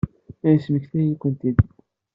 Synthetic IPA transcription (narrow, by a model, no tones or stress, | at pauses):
æjəsməçθæjikʷːənt̪id̪